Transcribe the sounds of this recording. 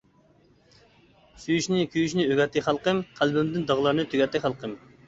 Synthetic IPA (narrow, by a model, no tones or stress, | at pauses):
syjyʃnɪkʲʰyjyʃnɪøɡʲɛt̪ʰːɪχælˠqəmqʰælbɪmd̪ɪnd̪ɑʁlˠɑɾnɨt̪ʰyɡʲɛt̪ːɪχælˠqʰəm